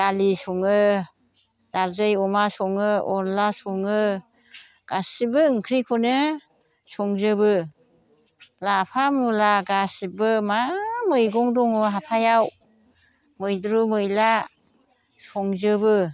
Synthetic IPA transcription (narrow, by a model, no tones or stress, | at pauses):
alisɔŋɯ | daɾzɯjɔmasɔŋɯɔnlasɔŋɯ | ɡ̥asibɯŋkʰɾikʰunɯ | sɔŋzɯbɯ | lapʰamulaɡasibɯmamɯjɡɔŋdɔŋɯɦapʰajaw | mɯjdɾumɯjla | sɔŋzɯbɯ